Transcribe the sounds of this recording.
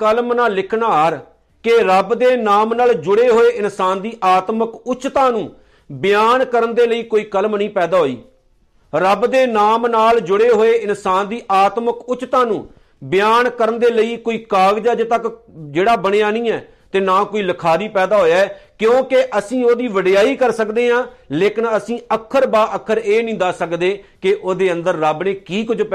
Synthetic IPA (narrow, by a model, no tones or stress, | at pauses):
kəlmnaːlɪkʰnaːɾ | keɾəbd̪eːnaːmnaːld͡ʒʊɽeːɦoːeːʔɪnsaːnd̪iːʔaːt̪məkʊt͡ʃt̪ãːnũː | bɪjaːnkəɾənd̪eːləiːkoːiːkəlmnəĩːpɛːd̪aːɦoːḭː | ɾəbd̪eːnaːmnaːld͡ʒʊɽeːɦoːeːʔɪnsaːnd̪iːʔaːt̪məkʊt͡ʃt̪ãːnũː | bɪjaːnkəɾənd̪eːləiːkoːiːkaːɡd͡ʒaːd͡ʒt̪ək | d͡ʒeːɽaːbəɽ̃eːaːnĩːɛː | t̪eːnaːkoːiːləkʰaːɾiːpɛːd̪aːɦoːjaːɛːkjõːkeʔəsĩːoːd̪iːʋəɖɪjaːiːkəɾsəkd̪eːɦãːleːkɪnəsĩːəkʰːəɾbaːʔəkʰːəɾeːnɪ̃ːd̪aːsəkd̪eːkeʔoːd̪eːə̃nd̪əɾːəbneːkiːkʊd͡ʒpː